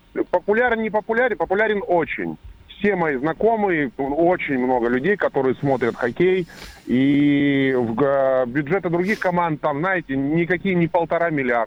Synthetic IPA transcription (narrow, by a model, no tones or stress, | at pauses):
pəpʊlʲarnnʲɪpəpʊlʲaɾʲnpəpʊlʲaɾʲɪnot͡ɕɪ̰nʲfsʲe̞mɐjiznɐko̞mɨjəot͡ɕɪnʲmno̞ɡəlʲʉdʲejkɐt̪o̞ɾɨjəsmo̞t̪ɾʲət̪xɐkʲeji | vbʲʊdʐɛt̪ɨd̪ɾʊɡʲixkɐmand̪̚t̪ːamznajɪtʲɪnʲɪkɐkʲijənʲɪpəlˠt̪ɐɾamʲɪlʲɪar